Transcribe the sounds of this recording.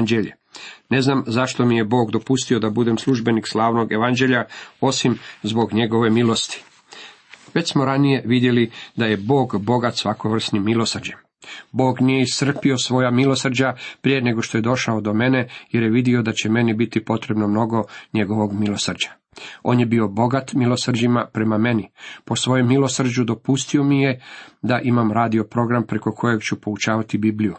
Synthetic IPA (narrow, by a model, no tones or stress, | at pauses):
nd͡ʑeʎḛ | ne̞znamzaʃt̪o̞mije̞bo̞ːɡd̪o̞pust̪io̞d̪abud̪emsluʒbe̞nikslˠaːʋno̞ɡe̞ʋand͡ʑe̞ʎao̞simzbo̞ɡɲe̞ɡo̞ʋe̞milo̞st̪i̥ | ʋe̞t͡ɕsmo̞ɾanije̞ʋid̪jelid̪aje̞bo̞ːɡbo̞ɡat̪sʋako̞ʋr̩snimːilˠo̞sr̩d͡ʑem | bo̞ːɡnijeist̪r̩pio̞sʋo̞jamilo̞sr̩d͡ʑapɾijene̞ɡo̞ʃt̪oje̞d̪o̞ʃaod̪o̞me̞ne̞jeɾjeʋid̪io̞d̪at͡ɕeme̞nibit̪ipo̞t̪ɾe̞bno̞mno̞ɡo̞ɲe̞ɡo̞ʋo̞ɡmilo̞sr̩d͡ʑḁ | o̞̰ːnjebio̞bo̞ɡat̪milˠosrd͡ʑimapɾe̞mame̞nipo̞sʋo̞jomːilo̞sr̩d͡ʑud̪o̞pust̪io̞mije̞d̪aʔimamɾaːd̪io̞pɾo̞ɡɾampɾe̞ko̞kʰo̞jeɡt͡ɕupo̞ut͡ʃaːʋat̪ibiːbliju